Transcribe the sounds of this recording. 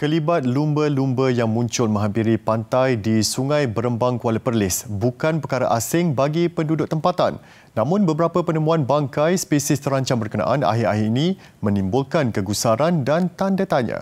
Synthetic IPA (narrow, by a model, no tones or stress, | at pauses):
kəlibat̪̚lumbəlumbəjaŋmũɲt͡ʃʊlmə̃ŋɦampiɾipant̪ajdisuŋãjbəɾəmbaŋkualəpərlɪsbukanpərkaɾaʔasɪŋbaɡipəndudʊʔ̚t̪əmpat̪a̰nː | ãmʊ̃nbəbəɾapəpənəmũanbaŋkajspesɪst̪əɾaɲt͡ʃambərkəna̰ʔana̰ɦɪɾa̰ɦiinĩ | mə̃nimbʊlkankəɡusaɾandant̪andat̪aɲa̰